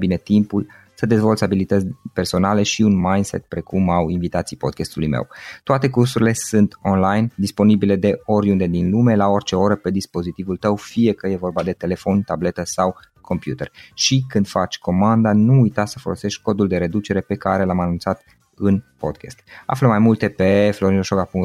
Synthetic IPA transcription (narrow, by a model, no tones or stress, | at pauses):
bine̞t̪impul | səd̪e̞zvo̞lt̪sʲabilit̪ət̪sʲpe̞rso̞nale̞ʃiunmajnse̞̰t̪pɾe̞kʰumawinvit̪at̪sijpo̞d̪̚kʲest̪ulṵjmḛwt̪oat̪e̞kursuɾile̞sɨnt̪o̞nlajnd̪ispo̞nibile̞d̪e̞o̞ɾʲund̪e̞d̪inlume̞lao̞rʲt͡ʃe̞o̞ɾəpe̞d̪ispo̞zit̪ivult̪əwfije̞kəje̞vo̞rbad̪e̞t̪e̞le̞fo̞nʲt̪able̞t̪əsaw | kʰo̞mpjut̪erʃikɨnd̪̥fat͡ʃʲkʰo̞mand̪anuːjt̪asəfo̞lo̞se̞ʃt̪̚ʲko̞d̪uld̪e̞ɾe̞d̪ut͡ʃe̞ɾe̞pe̞kaɾelamanunt̪sat̪ | ɨnpo̞̰d̪kʰʲest̪a̰fləmajmult̪e̞pe̞flo̞ɾinoʃoɡapuŋ